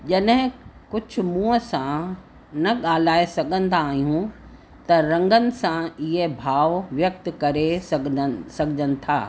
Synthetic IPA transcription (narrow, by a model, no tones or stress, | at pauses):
ʄɐɗɦɪ̃kʊd͡ʑʱʊ̆mũːəsã | nɐɠaːl̤aːesɐɠʱə̃nd̪aːɦijũ | t̪ɐɾɐ̃ŋɡənɪ̆sãɪɦebʱaːʋʋjɐk̚t̪kɐɾessɐɡʱɪd͡ʑənɪ̆t̪ʰa̰ː